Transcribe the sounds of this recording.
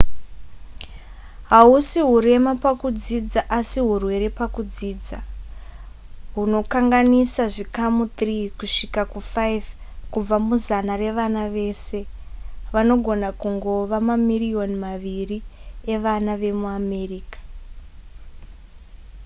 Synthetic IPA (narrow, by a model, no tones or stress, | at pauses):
ɦausiɦuɾe̞mapakud͡zid͡zaʔasiɦurwe̞ɾe̞pakud͡ziːd͡za | ɦuno̞kaŋɡanisaʐikamut̪rikuʂikakufaiv | kub͡vamuzanare̞ʋanaʋe̞ːse̞ | ʋano̞ɡʱo̞nakuŋɡo̞ʋamamirio̞nmaʋirie̞ʋanaʋe̞muame̞riːkḁ